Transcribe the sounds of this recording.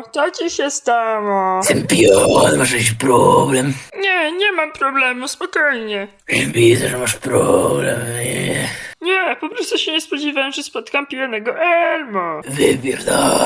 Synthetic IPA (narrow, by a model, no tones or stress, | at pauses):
t̪ɔt͡ɕiɕɛst̪amɔst̪ɛmpʲjɔnmaʃɛkiɕpɾɔblɛmɲɛɲɛmampɾɔblɛmuspɔkɔjɲɛ | ʒvʲizaʐɛmaʂpɾɔblɛmɛɲɛpɔpɾɔst̪uɕɛɲɛspɔd͡ʑivamʐɛspɔt̪kampʲijɔnɛɡɔʔɛɾmɔvɪbʲjɛɾd̪a